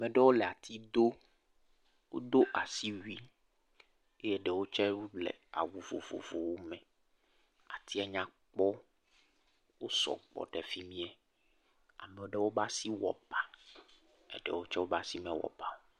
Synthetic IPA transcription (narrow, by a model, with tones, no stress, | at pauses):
mɛ̃˨ɖɛ˦wo˦lɛ˨a˨t̪ʰi˦d̪o˦ | wo̰˦d̪o˦ʔa˨si˦wi˦ | e˦jɛ˦ɖɛ˨wo˦t͡ʃɛ˦wo˦blɛ̰˨a̰˨wu˨vo̰˨vo̰˨vo˨wo˦mɛ̃˨ | a̰˨t̪ʰi˦a˨ɲã˦k͡pɔ˦ | wo˦sɔ̰˨k͡pɔ̰˨ɖɛ˨fi˦mĩ˦ɛ˦ | a˨mɛ˨wo˦ɖɛ˦wo˦ba˦si˦wɔ̰˨pa˨ | ɛ̰˦˨ɖɛ̰˨wo˦t͡ʃɛ˦wo˦ba˦si˦mɛ̃˨wɔ̰˨pa˦wo˨˦